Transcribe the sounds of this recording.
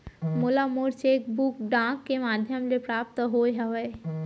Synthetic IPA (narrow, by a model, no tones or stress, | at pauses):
mʊlamoɾt͡ʃeːk̚bukɖãːkːemaːd̪ʱjəmlepɾaːp̚t̪əɦojɦɐʋəː